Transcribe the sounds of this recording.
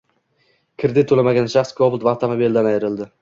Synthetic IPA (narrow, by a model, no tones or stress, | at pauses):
kʲʰɪɾd̪ɪt̪ʰolamaɡʲanʃaχskʰɒbʊlˠt̪vaht̪ʰamabeld̪anajɪɾɪld̪ɪ